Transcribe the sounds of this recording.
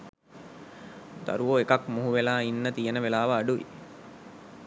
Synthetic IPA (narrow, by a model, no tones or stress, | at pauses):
d̪ɐ̰ɾuʋoekakmuɦuʋelaːinːət̪ijenəʋelaːʋɐːɖuʋḭ